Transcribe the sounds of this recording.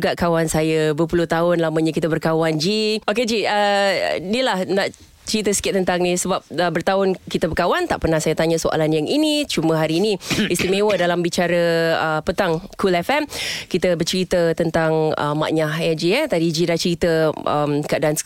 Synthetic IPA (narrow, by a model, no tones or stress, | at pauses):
ɡaʔkawansajəbəəpuluht̪aɦʊnlaməɲəkit̪əbərkawand͡ʒioked͡ʒiənilahnaʔ | t͡ʃəɾit̪əsə̥kɪt̪̚t̪ːənt̪aŋnisəbap̚əbərt̪aʊnkit̪əbərkawant̪aʔpərnahsajət̪aɲəsoa̰lanjaŋinit͡ʃumə̃ɦaɾiːnĩist̪imẽwədalambit͡ʃaɾəəpət̪aŋkulɛfɛmkit̪əbərt͡ʃəɾit̪ət̪ənt̪aŋə̰mːa̰ʔɲaɦɛd͡ʒiɛt̪adid͡ʒidat͡ʃəɾit̪əʔə̰mkəadaans